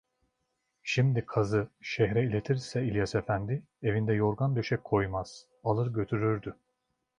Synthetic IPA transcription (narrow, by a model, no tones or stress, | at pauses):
ʃimd̪ikʰazɯʃɛɦɾɛilʲe̞t̪ʰiɾsɛilʲjasefænd̪ɪ | e̞vind̪ɛjo̞ɾɡand̪øʃɛkʰo̞jmaz̥ | alˠɯɾɟø̞t̪ʰyɾyɾd̪y